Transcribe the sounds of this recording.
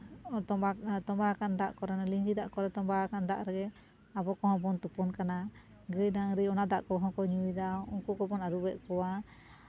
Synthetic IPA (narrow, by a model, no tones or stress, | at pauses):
ɔt̪ɔat̪ɔmbakand̪aʔkɔɾɛnaliɲd͡ʒid̪aʔkɔɾɛt̪ɔmbakand̪aʔɾɛɡɛ | abɔkɔɦɔ̃bɔnt̪upɔnkana | ɡəjdaŋɾijɔnad̪a̰ʔkɔɦɔ̃kɔɲuid̪aɔŋkukɔbɔnaɾubɛʔkɔwa